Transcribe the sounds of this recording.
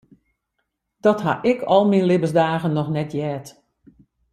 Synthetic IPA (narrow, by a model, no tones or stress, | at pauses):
d̥ɔtɦa̰ʔɪkʰɔlˠminlɪbəsdaːɣənːɔxnɛtjɛːt